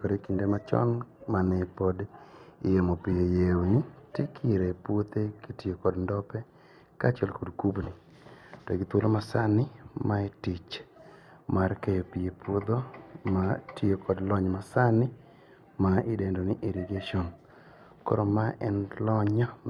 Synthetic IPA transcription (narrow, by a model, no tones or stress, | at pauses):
kɔɾekindemat͡ʃɔ̰nmanɛpodɪjemopɪjejewonitikʰɪɾepwot̪ekitɪokɔdndɔpɛ | kat͡ʃɛlkodkubni | toɡit̪wolʔomasanɪmaetɪt͡ʃ | markɛjɔpɪjepwod̪omatiokɔdlɔɲmasanɪ | maɪdendoniʔeɾiɡeʃɔn | kɔ̰ɾɔmaʔɛ̰nlɔɲɔ